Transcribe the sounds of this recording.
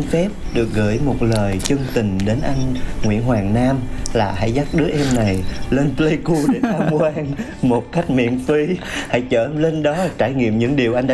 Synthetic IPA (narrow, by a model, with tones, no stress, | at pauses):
fɛ˦˥p̚ɗɨ˨˩ək̚ɣə̰˧˥˨jmo˨˩t̚ləː˨˩jt͡ɕə˧ŋt̪ï˨˩ŋ̟ɗe˨˦nʔa˧jŋ̟ŋwḭ˧˨ənɦwaː˨˩ŋnaː˧mlaː˨˩ha̰˧˥jza˦˥t̚ɗɨ˨˦əʔɛ˧mna˨˩jle˧nplə˧jku˧ɗe˧˩t̪ʰaː˧mkwaː˧n | mo˨˩t̚ka˦˥jk̟̚mḭ˧˨ənfi˧ha̰˧˥jt͡ɕəː˧˩le˧nɗɔ˨˦t͡ɕaː˧˩jŋḭ˧˨əmɲɨ̰˧˥ŋɗi˨˩əwʔa˧jŋ̟ɗaː˧